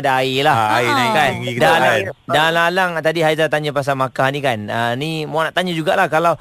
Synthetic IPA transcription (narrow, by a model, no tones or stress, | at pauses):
daailahiakanŋidaladalalaŋt̪adiɦajzat̪aɲãpas̬amakahnĩkanənimanaʔt̪aɲãd͡ʒuɡaʔlahkalaw